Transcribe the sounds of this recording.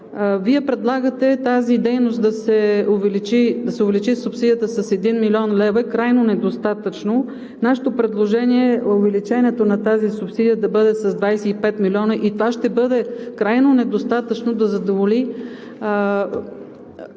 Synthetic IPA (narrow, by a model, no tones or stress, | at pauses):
viɛpɾɛd̪lˠaɡət̪ɛt̪azid̪ɛjnost̪̚d̪ɐsɛovɛlit͡ʃid̪ɐsɛʊvɛlit͡ʃisupsid̪ijət̪əsɐsɛd̪inmilʲiɔnlɛvəɛkɾajnonɛd̪ost̪at̪ət͡ʃno | naʃɛ̥t̪opɾɛd̪lˠoʒɛniɛʊvɛlit͡ʃɛnɛt̪onɐt̪azisupsid̪ijəd̪ɐbɤd̪ɛsɐzd̪vajsɛipɛt̪milʲiɔnəʔit̪ovaʃt̪ɛbɤd̪ɛkɾajnonɛd̪ost̪at̪ət͡ʃnod̪ɐzɐd̪ovoli